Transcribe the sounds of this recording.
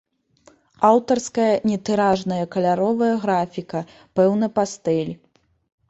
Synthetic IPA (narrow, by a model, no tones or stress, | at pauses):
awt̪ɐrskɐjɐnʲɛt̪ɨɾaʐnɐjɐkɐlʲaɾɔvɐjɐɣɾafʲikɐ | pɛwnɐpast̪ɛlʲ